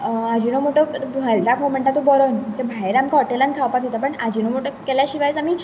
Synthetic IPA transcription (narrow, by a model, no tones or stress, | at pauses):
ad͡ʑinomoʈəɦəlt̪akʰɦom̤əɳt̪at̪ːubɔɾɔnt̪əbʱaeɾamkɔʈelãnkʰawpat̪it̪apəɳad͡ʑinomoʈəkɛljaɕiʋajt͡samiː